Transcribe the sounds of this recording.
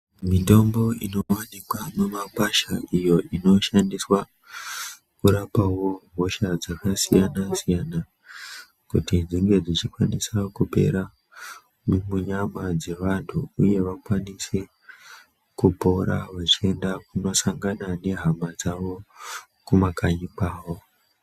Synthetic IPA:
mito̞mbo̞ino̞wanikwamemakwaʃaijo̞ʔino̞ʃandiswa | kuɾapawo̞ɦo̞ʃad͡zakasijanasijana | kutid͡ziŋɡe̞d͡zit͡ʃikwanisakupe̞̰ɾa | numuɲamad͡ze̞ʋantʰuuje̞ʋakwanise | kupo̞ɾa̰ʋat͡ʃie̞ndak̚uno̞saŋɡanane̞ɦamad͡zaʋo̞ | kumakaɲikaːwo̞

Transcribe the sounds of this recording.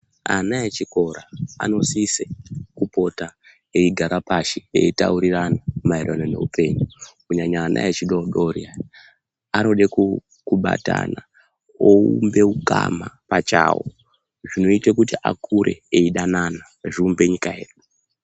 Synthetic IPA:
anaet͡ʃiko̞ɾaa̰nosisekupo̞ta | eiɡʱaɾapaʃeḛita̰uɾiranamairwanone̞̰ṵpe̞ɲukuɲaɲaːnʔa̰et͡ʃiɗoɗo̞ria | ano̞ɗek | kuɓa̰ta̰na | oumbe̞uka̰mapat͡ʃaːwo̰ | ʐino̞itek̬utiʔakuɾʔe̞̰eiɗanana | ʐiumbe̞ɲikae̞̰ːɗo

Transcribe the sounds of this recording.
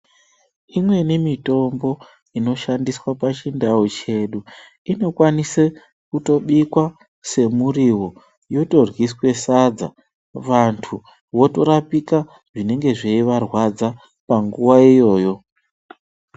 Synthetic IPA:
imwe̞nimito̞mbo̞ | ino̞ʃandiswapat͡ʃindaut͡ʃe̞ɗu | ino̞kwanise | kuto̞ɓikwa | se̞muriwo̞ | jo̞to̞rwiswe̞sad͡za̰ | ʋantʰu | wo̞to̞ɾapika | ʐine̞ŋɡe̞ʐeiʋarwad͡za | paŋɡuwaijo̞ːjo̞

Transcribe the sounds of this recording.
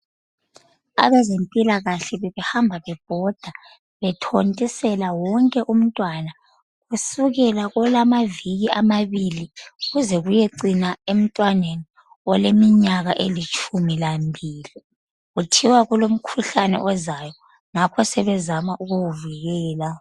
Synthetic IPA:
a̰βɛzempʼilaɣaɬɛβɛβɛhambʱaβɛb̥ʱɔd̥ʱa | βɛtʰontʼisɛlawɔŋkʼɛʔum̩tʼwana | ɣusuɣɛlaɣɔlamaviɣiamaβiliuɣuzɛɣujɛǀinaem̩tʼwaneni | ɔlemiɲaɣaʔelit͡ʃʼumilambʱiːli | ɣutʰiwaɣulom̩kʰuɬanɛ̰ʔɔzajɔ | ŋakʰɔsɛβɛzamaʔuɣuwuviɣɛːla

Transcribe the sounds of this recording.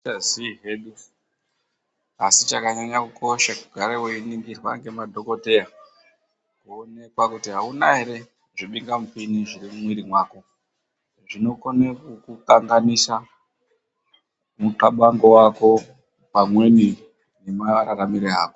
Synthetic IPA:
aziɦeːɗu | asit͡ʃakaɲaɲakukʰo̞ʃakuɡʱaɾeweiniŋɡirwa̰ŋɡemadʱoko̞te̞ja | kuone̞kwakutiɦaunaɦe̞ɾe̞ | ʐiɓiŋɡamupiniʐirimumwiɾimwaːko̞ | ʐino̞konekukukaŋɡanisa | muǃaɓaŋɡo̞wako̞ | pamwe̞ni | ne̞maɾaɾamiɾeaːko

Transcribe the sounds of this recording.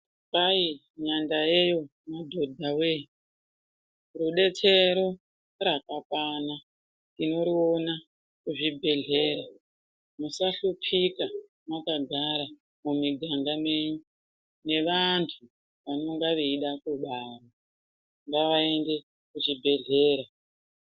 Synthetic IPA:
pai | ɲandajejo̞ | madʱo̞dʱawe | ruɗe̞tʰe̞ɾo | rakakwana | ɗino̞ɾiona | kuʐibʱe̞ɮe̞ːɾa | musaɬupʰika | makaɡʱaɾa | mumiɡʱaŋɡame̞ːɲu | ne̞ʋantʰu | ʋanoŋɡaʋeiɗakuɓaro | ŋɡaʋae̞nde̞ | kuʐibʱe̞ɮe̞ːɾa

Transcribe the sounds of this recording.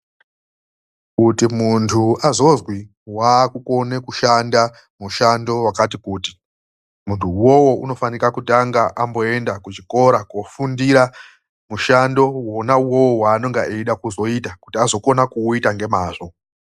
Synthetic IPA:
kutimuntʰuazo̞zwi | wakuko̞ne̞kuʃanda | muʃando̞wakatikuːti̥ | muntʰuwowo̞ʔuno̞fanikakutaŋɡaʔambo̞e̞ndakut͡ʃiko̞ɾakofundiɾa | muʃando̞wonawowowaːno̞ŋɡaʔeɗakuzo̞itakutiazo̞ko̞nakuitaŋɡe̞maːʐo̞

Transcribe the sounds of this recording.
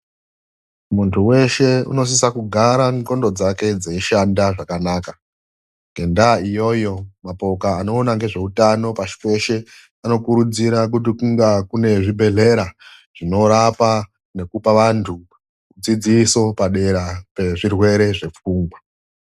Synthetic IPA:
muntʰuwe̞ʃe̞ṵno̞s̬isakuɡʱaɾaŋko̞ndo̞d͡zake̞d͡zeiʃandaʐakanaːka | ŋɡʱe̞ndaijo̞jo̞mapo̞kaːno̞ːnaŋɡe̞ʐe̞utano̞paʃi̥pe̞ʃe̞ | ano̞kuɾud͡ziɾak̬ut̬ikuŋɡakune̞ʐibʱe̞ɮe̞ɾa | ʐ̥ino̞ɾapa | ne̞kupaʋantʰu | kud͡zid͡ziso̞paɗe̞ɾape̞ʐirwe̞ɾe̞ʐe̞p͡fuːŋɡwa

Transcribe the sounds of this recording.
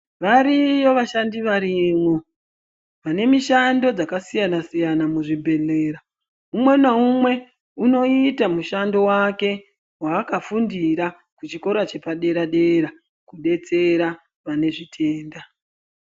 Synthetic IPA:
ʋaɾijo̞ʋaʃandiʋaɾimwo | ʋane̞miʃando̞d͡zakasijanasijanamuʐibʱe̞ɮe̞ːɾa | umwe̞naumwe̞ | uno̞itamuʃando̞wake̞ | waːkafundiɾa | kut͡ʃiko̞ɾat͡ʃe̞paɗe̞ɾaɗe̞ɾa | kuɗe̞t͡se̞ɾa | ʋane̞ʐitʰe̞ːnda

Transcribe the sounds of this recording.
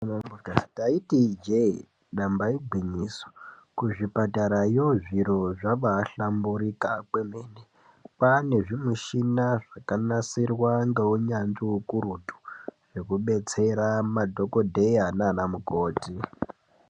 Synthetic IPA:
aataitid͡ʒe | ɗambaiɡʱwiɲiːso̥ | kuʐipataɾajoʐiɾo̞ʐaɓaːɬambuɾikakwemeːne | pane̞ʐimuʃinaʐakanasirwaŋɡeuɲand͡ʒiukuɾutu̥ʐ̥e̞kuɓe̞t͡se̞ɾamadʱo̞kodʱejananamuko̞ːti

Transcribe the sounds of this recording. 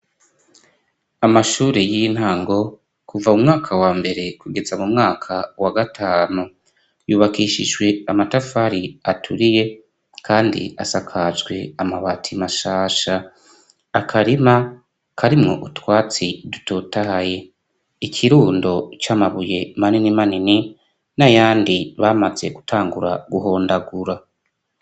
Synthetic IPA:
amaʃuːɾejiin̥haːŋɡo̞ | kuvaumŋaːkʰawaːmbe̞ɾe̞kʰuɡe̞zamumŋaːkʰawaɡatʰaːnu | juːβakiʃiʒɡwe̞amatafaɾiatʰuɾije̞ | kʰaːndḭa̰sakʰazɡwe̞amaβatʰimaʃaːʃaː | kʰaɾima | kaɾimŋo̞̰ʔutwaːt͡sidu̥toːtahaje̞ | ikʰiɾuːndo̞t͡ʃamaβuje̞maninimanini | najaːndiβaːmaze̞̰ɡutʰaːŋɡuɾa̰ɡuɦo̞ːndaɡuɾa

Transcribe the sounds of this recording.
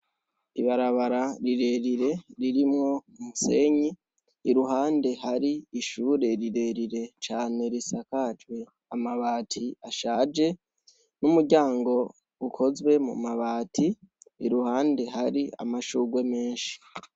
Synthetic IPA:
iβaɾaβaɾaɾiɾe̞ɾiɾe̞ɾiɾimŋo̞umuse̞ɲiː | ɾuɦaːnde̞haɾiiʃuːɾe̞ɾiɾe̞ɾiɾe̞t͡ʃaːne̞ɾisakat͡ʃwe̞ | amaβaːtʰiaʃaːd͡ʒe̞ | numuɾɟaːŋɡo̞ | ukʰo̞zwe̞mṵmaβaːtʰiḭɾuhaːnde̞ɦaɾia̰maʃuːɡwe̞me̞ːnʃi̥

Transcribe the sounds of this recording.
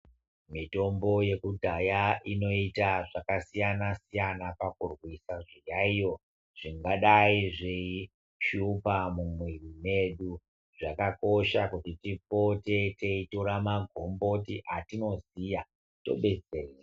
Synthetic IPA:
mito̞mbo̞je̞kudʱajaʔino̞itaʐakasijanasijanapakurwisaʐijaijo̞ | ʐ̥iŋɡaɗaiʐei | ʃupamumwirime̞ɗu | ʐakako̞ʃakutitipo̞te̞te̞itoɾamaɡʱo̞mbo̞tiʔatino̞zija | to̞̰ɓe̞d͡zereː

